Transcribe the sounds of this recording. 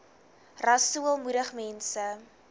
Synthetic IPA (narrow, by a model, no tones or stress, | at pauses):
rɐsuəlˠmuɾəχmɛnsə